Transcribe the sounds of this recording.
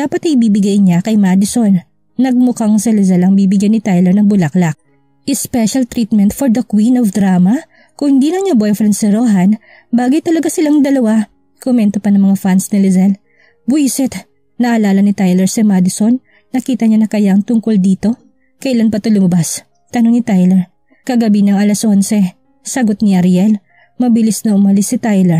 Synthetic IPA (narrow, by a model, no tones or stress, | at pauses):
d̪aːpɐt̪ɐɪbiːbɪɡajɲakɐjmad̪ɪsonː | ɐɡ̚mʊkaŋsɐlɪzɛlɐŋbiːbɪɡjanːɪt̪ajlɛɹnɐŋbʊlɐklɐk̚ | ʔɪspɛʃɐlt̪ɾiːt̪̚mɛnt̪foɹd̪ɐkwinɔfd̪ɾaːmɐ | kʊŋhɪnd̪iːnɐŋɲɐbɔjfɾɛnd̪sɪɾoːɦɐn | baːɡojt̪ɐlɐɡasɪlaŋd̪ɐlɐwa | komɛnt̪opɐnɐŋmɐŋafansnɐlɛzɛl | bujsɛt̪ | nɐʔɐlaːlɐnɪt̪ajlɛɹsɪmad̪ɪsonː | ɐkiːt̪ɐɲanɐkɐjaɐŋt̪ʊŋkold̪iːt̪o̞ | kɐʔɪlanpɐt̪olʊmɐbas | t̪ɐno̞ŋnɪt̪ajlɛɹ | kɐɡɐbiɲɐŋɐlɐsʔo̞nsɛ | sɐɡot̪̚nɪʔɐɾjɛl | mɐbɪlɪsnɐʔʊmɐlɪsɪt̪ajlɛɹ